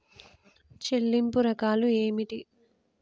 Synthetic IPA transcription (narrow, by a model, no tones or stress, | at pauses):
t͡ʃe̞lːimpuɾɐkaːlueːmiʈi